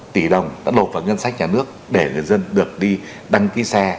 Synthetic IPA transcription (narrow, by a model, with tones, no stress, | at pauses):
t̪i˧˩ɗə˨˩wŋ͡mɗa̰ː˨˧˥lo˨˩t̚vaː˨˩ŋə˧nsa˦˥k̟̚ɲaː˨˩nɨ˦˥ək̚ɗe˧˩ŋɨ˨˩əjzə˧nɗɨ˨˩ək̚ɗi˧ | ɗa˧ŋki˨˦saː˧